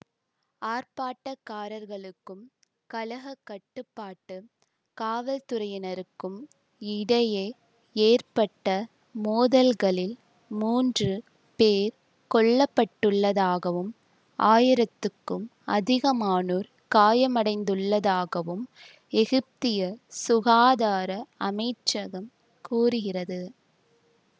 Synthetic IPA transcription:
aːrpaːʈːɐkːaːɾɐɾɣɐɭɯkːɯm | kɐlɐɣɐkːɐʈːɯpːaːʈːɯ | kaːʋɐlt̪ʊɾɐjɐnɐɾɯkːɯm | ɪɽɐje | eːrpɐʈːɐ | moːðɐlɣɐɭɪl | muːndrɯ | peːɾ | kɔɭːɐpːɐʈːɯɭːɐðaːɣɐʋɯm | ʔaːjɪɾɐt̪ːɯkːɯmɐðɪɣɐmaːnuːɾ | kaːjɐmɐɽɐɪnd̪ɯɭːɐðaːɣɐʋɯm | ɛɣɪp̚t̪ɪjɐsʊɣaːðaːɾɐɐmɐɪʈt͡ʃɐɣɐm | kuːrɯɣɪrɐðɯ

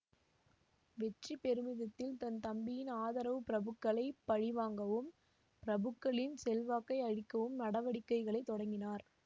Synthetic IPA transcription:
ʋɛʈripɛɾɯmɪðɐt̪ːɪlt̪ɐnt̪ɐmbɪjɪnaːðɐɾɐʋɯpɪɾɐbɯkːɐɭɐɪpːɐɻɪʋaːŋɡɐʋɯm | pɪɾɐbɯkːɐɭɪnsɛlʋaːkːɐɪɐɻɪkːɐʋɯmnɐɽɐʋɐɽɪkːɐɪɣɐɭɐɪt̪ːɔɽɐŋɡɪnaːɾ

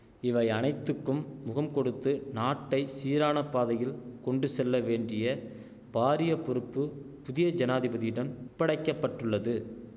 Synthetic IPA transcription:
ɪʋɐɪɐnɐɪt̪ːɯkːɯmːʊɣɐmkɔɽɯt̪ːɯnaːʈːɐɪsiːɾaːnɐpːaːðɐjɪlkɔɳɖɯsɛlːɐʋeːɳɖrɪjɐ | paːɾɪjɐpːɔɾɯpːɯ | pʊðɪjɐd͡ʒɐnaːðɪbɐðɪjɪɽɐmpːɐɽɐɪkːɐpːɐʈːɯɭːɐðɯ

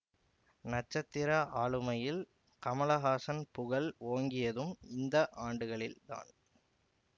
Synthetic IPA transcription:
nɐt͡ʃːɐt̪ːɪɾaʔaːɭɯmɐjɪl | kɐmɐɭɐɣaːsɐnpʊɣɐloːŋɡɪjɐðɯmɪnd̪ɐʔaːɳɖɯɣɐɭɪ̰lt̪a̰ːn

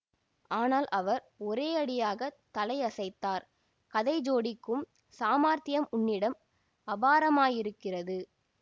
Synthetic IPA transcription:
ʔaːnaːlʔɐʋɐɾ | ɔɾeːɐɽɪjaːɣɐt̪ɐlɐɪɐsɐɪt̪ːaːɾ | kɐðɐɪd͡ʒoːɽɪkːɯm | saːmaːɾt̪ɪjɐmʊɳːɪɽɐm | ɐbaːɾɐmaːjɪɾɯkːɪrɐðɯ

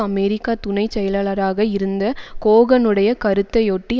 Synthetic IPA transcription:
ɐmɛɾɪkːaːt̪ʊnɐɪt͡ʃːɛjɐlaːɭɐɾaːɣɐɪɾɯnd̪ɐkoːɣɐnɯɽɐjɐkɐɾɯt̪ːɐjoʈːi

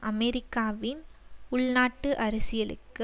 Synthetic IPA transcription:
ʔɐmɛɾɪkːaːʋɪnʊɭnaːʈːɯʔɐɾɐsɪjɐlɯ̰kːɯ

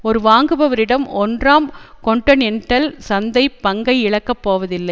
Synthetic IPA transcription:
ɔɾɯʋaːŋɡɯbɐʋɐɾɪɽɐmɔndraːmkɔɳʈɐnɛɳʈːɐlsɐnd̪ɐɪpːɐŋɡɐɪɪɭɐkːɐpːoːʋɐðɪlːɐɪ

